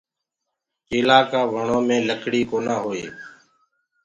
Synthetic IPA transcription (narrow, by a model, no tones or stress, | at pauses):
ɪːlaːkaːʋəɳoːmẽːləkʰɽiːkoːnãːɦoːḛː